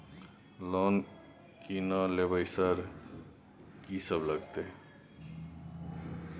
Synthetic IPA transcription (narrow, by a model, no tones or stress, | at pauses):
lɔːn | kinalebəjsəɾ | kisəbləɡt̪e